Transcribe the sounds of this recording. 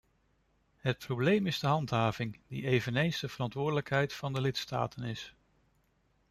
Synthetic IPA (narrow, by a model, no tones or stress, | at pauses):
ɦət̚prowblejmɪzdəɦɑntɦaːvɪŋd̥ḭejvənejnzdəv̥ərɑntʋʊːdələkɦɛjtfɑndəlɪtsta̰ːtʰənɪs